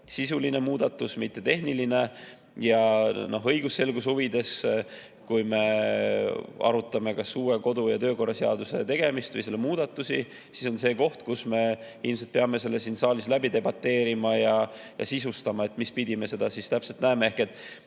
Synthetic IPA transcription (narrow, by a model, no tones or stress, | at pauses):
sisuline̞muːd̪̥ɑt̪ːˑusmit̪ːe̞t̪e̞hniline̞ | jɑno̞ɦɤjɡ̥usse̞lɡ̥ushuvid̪̥e̞s | kujme̞ | ɑ̰ɾut̪ːˑɑme̞kɑsːuːɾe̞ko̞d̪ujɑt̪ø̞ːko̞rːɑseɑ̰d̪use̞̰t̪e̞ɡ̥e̞mist̪vɨ̰jselːe̞muːd̪̥ɑt̪ːˑusi | siso̞nse̞ːko̞ht̪kusme̞ | ilmselt̪peɑme̞se̞lːesinsɑːlislæbit̪e̞bɑt̪ːe̞ːɾimɑjɑjɑ̰sisust̪ɑmɑe̞t̪ːˑmispid̪̥ʲime̞se̞d̪̥ɑsist̪æpse̞lt̪næemeehke̞t̪ːˑ